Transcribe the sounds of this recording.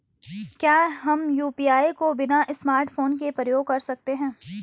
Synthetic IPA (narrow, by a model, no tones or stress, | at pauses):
kjaːɦɐmjuːpiːaːjkobɪnaʔɪsmaːɾʈfoːnkepɾəjoːɡ̚kɐɾsɐk̚t̪eɦɛ̃ː